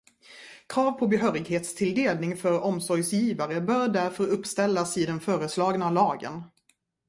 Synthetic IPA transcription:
kʰɾɑːvpʰɔbɛɦœːɾɪɡɦeːt̪st̪ʰɪld̪eːlnɪŋfœɾɔmsɔɾjsjiːvaɾəbœːɾɖæɾfœɾɵpːst̪ɛlːasɪd̪ɛnfœːɾəslɑːɡnalɑːɡə̰n

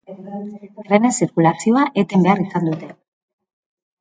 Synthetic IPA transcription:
rene̞siɾkulasio̞aʔe̞t̪e̞mbe̞arisand̪ut̪e̞

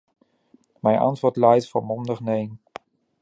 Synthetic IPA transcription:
mɛjnʔɑ̰ntʋʊːɹtlɛjtfoɹmɔndəχnejn

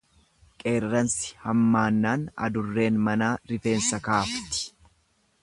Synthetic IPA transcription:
kʼe̞ːrːɐnsɪ̥hɐmːaːnːaːnɐ̰d̪ʊrːe̞ːnmɐnaːɾɪfe̞ːnsɐkaːft̪ɪ̥

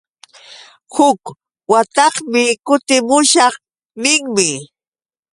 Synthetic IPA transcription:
hʊk | wat̪ɑχmɪkʊt̪ɪmʊʃɑχ | nɪŋmɪ

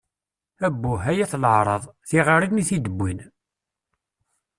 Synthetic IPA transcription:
æbːuɦæjæθlʕɾˤəðˤθiʁəɾiðmiθid̪əbʷːin

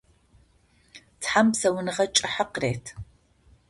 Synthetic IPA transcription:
tħamsɐwʊnɨʁɐt͡ʃʼɐħəqreːtʰ

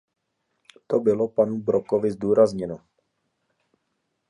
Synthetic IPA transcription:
t̪obɪlo̞panubɾokovɪzduːɾazɲɛno

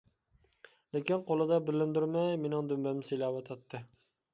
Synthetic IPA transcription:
lekʲɪnqolˠɪd̪ɑbɪlːɪmd̪yɾmajmenɪŋd̪ymbæmselawɑt̪ʰɑt̪ːɪ

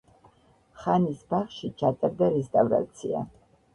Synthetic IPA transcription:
χanisbaχʃit͡ʃʰat̪ʼaɾd̪aɾɛst̪ʼavɾa̰t̪sʰia̰

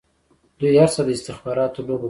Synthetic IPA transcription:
d̪̥ujhaɾsəd̪əɪst̪ɪxbɑɾɑt̪olobo

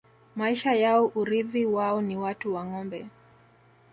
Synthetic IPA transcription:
maiʃajaɔʔuɾiðiwaɔniwatuwaŋɔmbɛ

